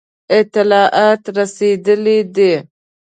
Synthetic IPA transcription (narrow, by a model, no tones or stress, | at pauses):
ɪt̪ɪlɑʔɑt̪ɾased̪əlid̪i